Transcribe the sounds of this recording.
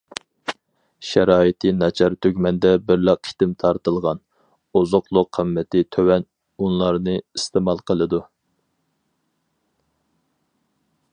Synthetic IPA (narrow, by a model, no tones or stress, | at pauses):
ʃɛɾɑːit̪ʰɨnɑt͡ʃʰɑɾt̪ʰøɡʲmɛnd̪ɛbɪɾlæqʰi̥t̪ɪmt̪ʰɑɾt̪ɨlˠʁɑn | ozʊqlˠʊqʰːəmːɛt̪ʰɪt̪ʰøwɛn | unlˠɑɾnɨist̪emɑlˠqʰəlˠɨd̪u